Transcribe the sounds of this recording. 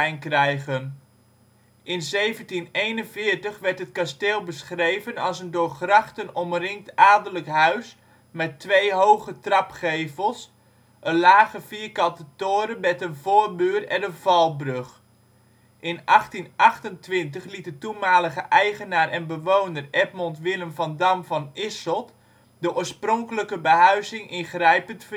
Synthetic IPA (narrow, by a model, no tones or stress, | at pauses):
ɛjnkrɛjɣən | ʔɪnzejvəntinejnənvɪːɹtəχʋɛrtɦət̚kasteːlˠbəsχrejvənɑlˠsəndʊːrχrɑχtənɔmrɪŋk̚taːdələkɦœɥs | mɛtʋejɦowɣətrɑpχejvəlˠs | ʔənlaːχəfiəɹkɑntətoːɾənbɛtənvoːərbyːrɛdəvɑlˠbrøχ | ʔɪnʔɑχtinʔɑχtəntʋɪnt̬əχlit̚dətumaːləɣəʔɛjχənaːɾɛnbəʋoːnərɛp̚mɔntʋɪlˠəmfɑndamvɑnɪsɔt | dəʔoːɹsprɔŋkələkəbəɦœɥzɪŋɪnχrɛjpəntfə